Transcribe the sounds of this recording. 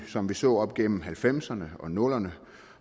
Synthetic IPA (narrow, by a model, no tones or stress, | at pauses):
sɒ̽mʋisɔ̰ːɒ̽b̥ɡ̥en̰m̩ɦælfem̰sɐnəɒ̽nɔ̽lɐnə